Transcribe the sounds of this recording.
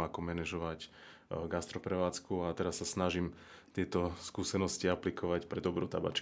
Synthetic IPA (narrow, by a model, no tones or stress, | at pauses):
akɔmɛnɛʒɔʋac | ɡast̪ɾɔpɾɛʋaːt͡skuat̪ɛɾasːasnaʒimt̪ɪɛt̪ɔskuːsɛnɔsciaplikɔʋacpɾɛd̪ɔbɾuːt̪a̰ba̰ːt͡ʃ